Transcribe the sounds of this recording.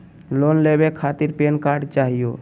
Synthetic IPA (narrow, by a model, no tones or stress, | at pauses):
lonlebekʰat̪iɾpenkaɾɖt͡ʃaɦijo